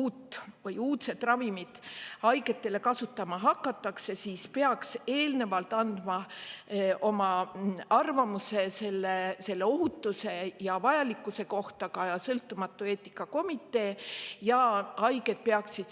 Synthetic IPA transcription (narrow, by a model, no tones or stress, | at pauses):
uːt̪ːˑvɤjuːt̪se̞t̪ːˑrɑvimid̪̥ɑjɡe̞t̪ːe̞le̞kɑsut̪ːˑɑmɑɦɑkːɑt̪ːˑɑkse̞siːspeɑkse̞ːlne̞vɑlt̪ːɑnd̪̥mɑ | ʔo̞mɑɑrvɑmuse̞se̞lːese̞lːe̞o̞ɦut̪ːuse̞jɑvɑjɑlikːˑuse̞ko̞ht̪ɑkɑjɑsɤlt̪ːˑumɑt̪ːˑue̞ːt̪ːˑi̥kːˑɑko̞mit̪ːˑe̞ːjɑɑjɡe̞d̪̥̚peɑksid̪